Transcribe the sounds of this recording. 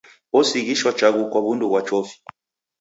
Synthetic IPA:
ɔsiɣiʃwat͡ʃaɣukwaβunduɣwat͡ʃɔfi̥

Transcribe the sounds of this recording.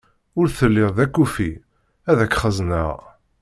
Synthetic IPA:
ʊɾθəlːɪððækːufi | æðækːχəznə̰ʁ

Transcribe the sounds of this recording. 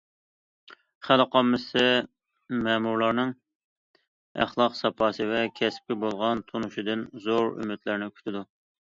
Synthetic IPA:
χælɨqʰɑmːɨsɨ | mɛmuɾlˠɑɾnɨŋ | æ̰χlˠɑqsɑpʰɑːsɨvɛkʲʰɛsp̚kʲibolˠʁɑnt̪ʰonuʃid̪ɪnzoɾy̰mɪt̪lɪɾnɪkʲʰy̥t̪ʰɪd̪u

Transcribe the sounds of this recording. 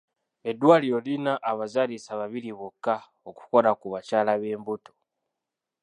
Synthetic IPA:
e̞dwaːliɾo̞linaʔːβazalisaβaβiliβokːa | oku̥ko̞lakuβat͡ʃaːlaβeːmbuto̥

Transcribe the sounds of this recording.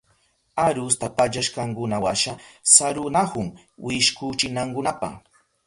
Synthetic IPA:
aɾʊst̪apaʎaʃkaŋkʊnawaʃasaɾʊnahʊm | wʔɪʃkʊt͡ʃɪnaŋkʊnapa̰

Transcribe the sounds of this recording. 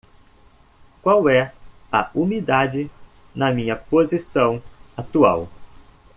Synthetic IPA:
kwawɛ | ɐ̰umid̪ad͡ʒɪ | nɐmĩɲɐpozisɐ̃w̃at̪ua̰w

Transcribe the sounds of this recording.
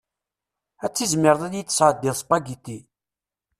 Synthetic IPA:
æt͡sːizmɪɾðˤæðjit͡s̪ːə̥sʕəd̪ːɪðˤspaɡit̪i

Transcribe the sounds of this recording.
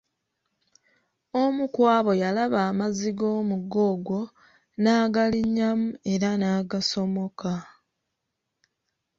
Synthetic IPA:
omukwaːβo̞jalaβaːmaziɡo̞ːmuɡo̞ɡwo̞ | naːɡaliɲːamue̞ɾanaːɡaso̞mo̞ka

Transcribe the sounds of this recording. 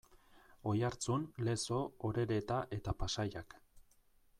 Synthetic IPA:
o̞jaɾt͡sunle̞so̞oɾe̞ɾe̞t̪aʔe̞t̪apasajak

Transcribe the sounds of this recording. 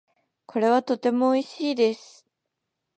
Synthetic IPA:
kʰo̞ɾe̞β̞at̪o̞t̪e̞mo̞ːiɕiːd̪e̞sɨ̥

